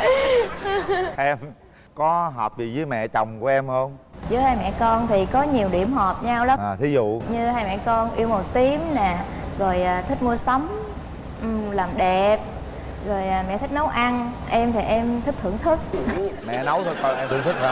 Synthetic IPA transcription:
ʔɛ˧m | kɔ˨˦ɦɔː˨˩p̚vi˨˩zɨː˨˦jmɛ̰˧˨t͡ɕə˨˩wŋ͡mku˧˩əʔɛ˧mhə˧nzɨː˨˦jhaː˧jmɛ̰˧˨kɔ˧nt̪ʰi˨˩kɔ˨˦ɲi˨˩əwɗi˧˩əmɦɔ˨˩p̚ɲa˧wla˨˦aː˨˩t̪ʰi˨˦zṵ˧˨ɲɨ˧haː˧jmɛ̰˧˨kɔ˧nʔi˧əwmo˨˩t̪i˨˦əmnaː˨˩ | ɣo˨˩jʔaː˨˩t̪ʰï˦˥k̟̚mu˧əsa˨˦wŋ͡m | ʔlaː˨˩mɗɛ˨˩p̚ | ɣo˨˩jʔaː˨˩mɛ̰˧˨t̪ʰi˦˥k̚nə˨˦wʔa˧n | ʔɛ˧mt̪ʰi˨˩ʔɛ˧mt̪ʰi˦˥k̚t̪ʰɨ̰˧˩əŋt̪ʰɨ˦˥k̚mɛ̰˧˨nə˨˦wt̪ʰo˧jkɔ˧ʔɛ˧mt̪ɨ˧˨əŋt̪ʰɨ˦˥k̚ha˧

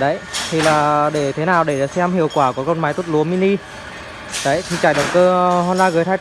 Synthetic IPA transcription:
ɗə˨˦jt̪ʰi˨˩laː˨˩ɗe˧˩t̪ʰe˨˦naː˨˩wɗe˧˩˨sɛ˧mɦḭ˧˨əwkwaː˧˩ku˧˩kɔ˧nmaː˨˦jt̪u˦˥t̚lu˨˦əmi˧ni˧ | ɗə˨˦jt̪ʰi˨˩t͡ɕaː˧˩jɗə˨˩wŋ͡mkəː˧hɔ˧nzaː˧ɣəː˨˦jt̪ʰaː˧

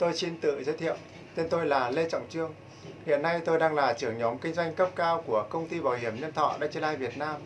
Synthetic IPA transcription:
t̪o˧jsi˧nt̪ɨ̰˧˨zəː˨˦jt̪ʰḭ˧˨əw | t̪e˧nt̪o˧jlaː˨˩le˧t͡ɕɔ̰˧˨wŋ͡mt͡ɕɨ˧əŋ | hḭ˧˨ənːa˧jt̪o˧jɗaː˧ŋlaː˨˩t͡ɕɨ˧˩əŋɲɔ˨˦mkï˧ŋ̟zwa˧jŋ̟kə˦˥p̚kaː˧wku˧˩əkə˧wŋ͡mt̪i˧ɓaː˨˩whi˧˩əmɲə˧nt̪ʰɔ̰˧˨ɗa̰˧˥t͡ɕi˧nlaː˧jvi˨˩ət̚naː˧m

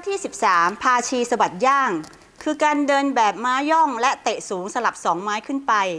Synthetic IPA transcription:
a˥t̪ʰiː˥˩si˨˩p̚saː˩˦mpʰaː˧t͡ɕʰiː˧sa˧wa˨˩t̪̚jaː˥˩ŋ | kʰɯː˧kaː˧ndɤː˧nbɛː˨˩p̚maː˦˥jɔ˥˩ŋlɛ˦˥t̪e˨˩ʔsuː˩˦ŋsa˧la˨˩p̚sɔː˩˦ŋmaː˦˥jkʰɯ˥˩npa˧j

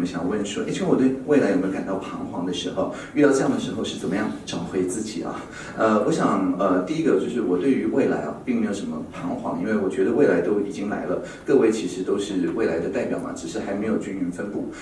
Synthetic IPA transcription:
mə˧˦ɕjɑ̰˨˩ŋwə˥˩nʂwɔ˥˧˩t͡ɕ̩ʰ˥wɔ˨˩t̪we˥˩ɪ˧we˥˩ɪla˧˥ɪo˨˩m˧˥˧ka˨˩nt̪ɑ˥˩ʊpʰɑ˧˥ŋxwɑ̰˧˥ŋd̪ə˧ʂɻ̩˧˥xo˥˧ʊ | y˥˧ɑ˥˧ʊʈ͡ʂɤ˥jŋd̪ə˩ʂɻ̩˧˥xo˥˧ʊʂɻ̩˥˩t͡sə˨˩nmə˦jɑ˥˩ŋʈ͡ʂɑ˨˩ʊxwe˧˥ɪt͡sɹ̩˥˩t͡ɕḭ˨˩ɐ̰˧˦ | ə˧wɔ˧˥ɕjɑ˨˩ŋə˧t̪i˥˧i˥ɡə˧t͡ɕjo˥˧ʊʂɻ̩˥˩wɔ˨˩t̪we˥˩ɪy˧˥we˥˩ɪla̰˧˥ɪɐ̰˧pi˥˩ŋme˧˥ɪjo˨˩ʊʂə˧˥nmə˧pʰɑ˧˥ŋxwɑ̰˧˥ŋḭ˥nwe˥˩ɪwɔ˨˩t͡ɕɥɛ˧˥d̪ə˧we˥˩ɪla˧˥ɪt̪o˥ʊi˨˩t͡ɕi˥ŋla̰˧˥ɪlə˧ | kɤ˥˧we˥˧ɪt͡ɕʰi˧˥ʂɻ̩˧˥t̪o˥ʊʂɻ̩˥˧we˥˩ɪla˧˥ɪd̪ə˧t̪a˥˩ɪpjɑ˨˩ʊmɐ̰˩ʈ͡ʂɻ̩˨˩ʂɻ̩˧˥xa˧˥ɪme˧˥ɪjo˨˩ʊt͡ɕy˥ny˧˥nfə˥npu˥˩

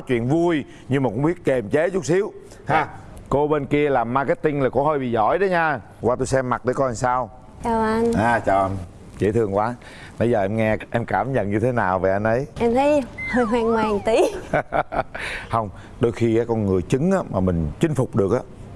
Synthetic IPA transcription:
ɔ˨˦t͡ɕwḭ˧˨ənvu˧j | ɲɨ˧maː˨˩kʊ˧˥ŋ͡mɓi˦˥ət̚ke˨˩mt͡ɕe˨˦zʊ˦˥k͡p̚si˨˦əw | haː˧˩ko˧ɓe˧nki˧əlaː˨˩mːaː˧ka˨˦˥t̚t̪ï˧ŋlaː˨˩ko˧˦həː˧jɓḭ˨˩zɔ̰˧˩jɗə˨˦ɲaː˧ | waː˧t̪u˧jsɛ˧mːa˨˩t̚ɗə˨˦kɔ˧ʔa˧nsaː˧w | t͡ɕaː˨˩wʔa˧nʔaː˨˩t͡ɕaː˨˩wʔa˧n | zḛ˧˥t̪ʰɨ˧əŋkwaː˨˦ | nə˨˦jzəː˨˩ʔɛ˧mŋɛ˧ʔɛ˧mkaː˧˩mɲə̰˧˨nɲɨ˧t̪ʰe˨˦naː˨˩wve˨˩ʔa˧nʔə˨˦jʔɛ˧mt̪ʰə˨˦jhəː˧jɦwaː˧˩ŋwaː˨˩ŋt̪i˨˦ | hə˧wŋ͡m | ɗo˧jxi˧ʔaː˨˦kɔ˧nŋɨ˨˩əjt͡ɕɨ˨˦ŋʔaː˨˦maː˨˩mï˨˩ŋ̟t͡ɕï˧˦ŋ̟fʊ˨˩k͡p̚ɗɨ˨˩ək̚ʔaː˨˦

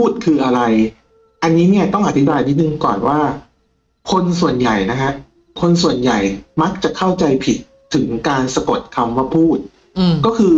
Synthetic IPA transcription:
pʰuː˥˩t̪̚kʰɯː˧ʔa˧ɾa˧j | ʔa˧nːiː˦˥ni˥˩ɐt̪ɔ˥˩ŋʔa˨˩t̪ʰi˦˥baː˧jni˦˥t̪̚nɯ˧ŋkɔː˨˩nwaː˥˩ | kʰo˧nsu˨˩ənja˨˩jna˦˥kʰa˦˥ʔ | kʰo˧nsu˨˩ənja˨˩jma˦˥k̚t͡ɕa˨˩kʰa˥˩wt͡ɕa˧jpʰi˨˩t̪ʰːɯ˩˦ŋkaː˧nsa˧ko˨˩t̪̚kʰa˧mwa˥˩pʰuː˥˩t̪̚ | kɔː˥˩kʰɯː˧

